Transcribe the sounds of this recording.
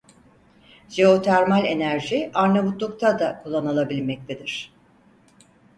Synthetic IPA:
ʒeo̞t̪ʰæɾmalʲe̞næɾʒiaɾnebut̪lˠuk̚t̪ʰad̪akʰulˠːanalˠabilʲmɛc̚t̪ʰed̪iɾ̝̥

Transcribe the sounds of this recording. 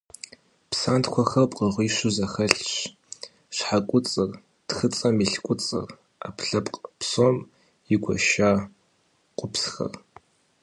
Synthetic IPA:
psaːntkʷʰɐxɐrpʼqʼəʁʷiːʃʊzɐxɐɬɕ | ʂħakʷʼʊt͡sʼɨr | txɨt͡sʼɐmiɬkʷʼʊt͡sʼɨ̰r | a̰pʰɬɐpʼqʼpʰsoːm | iɡʷɔ̰ʃaː | qʷʼʊpʰsxɐ̰r

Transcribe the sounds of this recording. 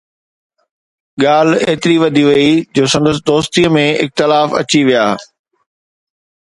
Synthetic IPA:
ɠaːl̤eːt̪ɪɾiʋɐd̪ʱiʋɐid͡ʑoːsɐ̃nd̪əs̬ɪd̪oːst̪iəmẽɪ̰k̚t̪ɪlaːfɐ̰t͡ɕiʋijaː

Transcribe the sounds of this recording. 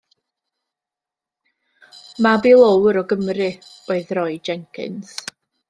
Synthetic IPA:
mabilˠɔwɾɔɡəmrɨ | oːɨðrɔɨd͡ʒɛŋkʰɪ̰ns

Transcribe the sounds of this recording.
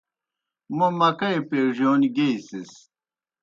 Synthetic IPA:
momɐkɐjpeːʐjoːniɡeisis

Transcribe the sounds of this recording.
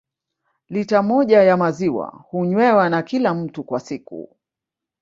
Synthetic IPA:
litamɔʄajamaziwa̰huɲwɛwanakilam̩tukwasikṵ

